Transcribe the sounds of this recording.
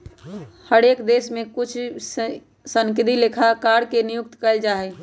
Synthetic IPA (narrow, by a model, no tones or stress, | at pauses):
həɽeːkd̪eːsmẽkʊt͡ʃʰ | səŋkɪd̪ilekʰakaɾkenɪjʊk̚t̪kəɪld͡ʒaːɦɛ